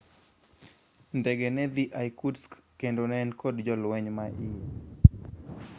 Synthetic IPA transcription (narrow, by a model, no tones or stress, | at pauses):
ndɛɡɛnɛdiʔajkudskːendonɛnkodd͡ʒɔlwɛɲmaʔi